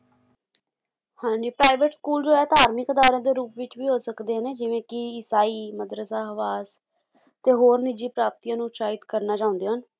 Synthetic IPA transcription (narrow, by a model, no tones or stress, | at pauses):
hãːɲd͡ʒiːpɾaːɪʋeʈskuːld͡ʒoːɛːt̪aːɾmɪkəd̪aːɾãːd̪eːɾuːpʋɪt͡ʃʋiːɦoːsəkd̪eːɦəneːd͡ʒɪʋẽːkɪɪsaːiːməd̪ɾəsaːɦəʋaːs | t̪eːɦoːɾnɪd͡ʒiːpɾaːp̚t̪iːjãːnũːt̪ʃaːɦɪt̪kəɾnaːt͡ʃaːʊ̃nd̪eːɦən